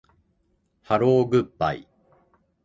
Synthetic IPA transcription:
haɾoːɡɯ̟pːa̰ḭ

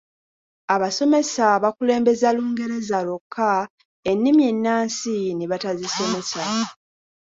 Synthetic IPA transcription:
aβaso̞me̞saβakule̞ːmbe̞zaluːŋɡe̞ɾe̞zalo̞kʰːa | enːimje̞nːaːnsineβataziso̞me̞sa

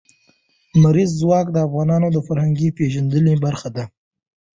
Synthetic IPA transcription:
maɾizːwɑkd̪əafɣɑnɑnod̪əfaɾhaŋɡipeʒand̪əlebaɾxad̪a

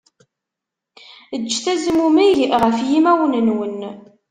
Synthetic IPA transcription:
əd͡ʒːθæzəmumiʝʁəfjimæwənənwən

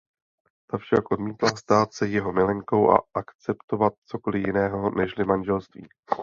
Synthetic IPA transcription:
t̪afʃakʔo̞dmiːt̪last̪aːt̪sɛjɛɦo̞mɪlɛŋko̞wʔa̰ʔakt͡sɛpt̪o̞vat̪̚t͡so̞ko̞lɪjɪnɛːɦo̞nɛʃlɪmanʒɛlst̪vḭː

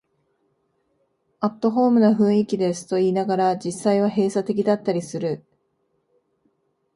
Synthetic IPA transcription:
at̪ːo̞ɦo̞ːmɯ̟naɸɯ̟̃ɰ̃ikʲid̪e̞sɨ̥t̪o̞iːnaɡaɾad͡ʑisːaiβ̞aɦe̞ːsat̪e̞k̬ʲid̪at̪ːaɾʲisɨɾɯ̟

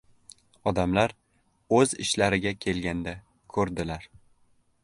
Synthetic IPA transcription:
ɒd̪amlaɾ | ɵzɪʃlaɾɪɡʲakʲʰe̞lɡʲand̪a | kʰɵɾd̪ɪlaɾ

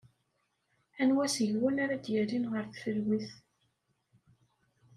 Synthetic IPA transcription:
ænwæsəʝwənaɾad̪jæɾinʁəɾθfəlwiθ

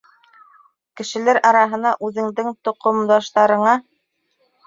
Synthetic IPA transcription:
kɘ̆ʃɘ̆læɾʔɑɾɑɦɤ̆nɑʔʉðɘ̆ŋd̪ɘŋt̪ŏqŏmd̪ɑʃt̪ɑɾɤ̆ɴɑ

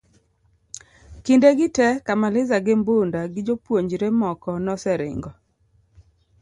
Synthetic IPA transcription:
kindeɡɪtɛkamalɪzaɡɪmbondaɡɪd͡ʒopwoɲd͡ʒɾemɔkɔnɔsɛɾɪ̰ŋɡɔ

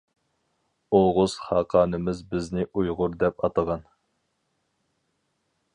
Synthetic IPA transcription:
oʁʊz̥χɑːqʰɑːnɨmɪzbɪznɪʔujʁʊɾd̪ɛpɑt̪ɑʁɑn

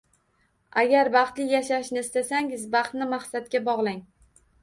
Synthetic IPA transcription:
aɡʲaɾbɑχt̪lɪjaʃaʃnɪɪst̪asaŋɪzbɑχt̪nɪmaχsat̪̚kʲabɒʁlˠaŋ

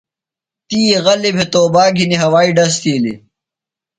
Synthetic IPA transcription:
t̪iːɣɐlibʱet̪oːbaːɡʱiniɦɐwaːiɖɐs̬t̪iːlḭ

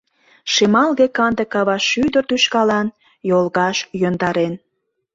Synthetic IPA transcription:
ʃemɑlɣekɑnd̪əkɑβɑʃːyd̪ərt̪yʃkɑlɑn | jolɣɑʃjønd̪ɑɾen

